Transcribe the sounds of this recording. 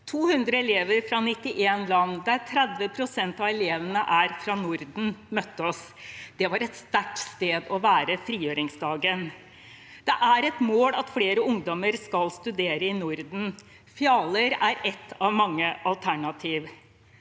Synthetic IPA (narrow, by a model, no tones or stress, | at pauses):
t̪ʰuːhʉnd̪ɾəɛleːʋəɾfɾɑnɪt̪ːɪʔeːnlɑnːd̪æɾt̪ʰɾɛd̪ʋəpʰɾʊsɛnt̪ɑʋɛleːʋənəʔæɾfɾɑnʊɾd̪n̩mœt̪ːəɔs | d̪̥ɛʋɑɾɛt̪st̪æʈst̪eːd̪ɔʋæːɾəfɾiːjøːɾɪŋsd̪ɑːɡən | d̪̥ɛʔæɾɛt̪moːlɑt̪fleːɾəʊŋd̪ɔməɾskɑlst̪ʉd̪eːɾəɪnʊɾd̪n̩ | fɪɑːləɾæɾɛt̪ʰːɑʋmɑŋːəʔɑlt̪ʰæɳɑt̪ʰiːʋ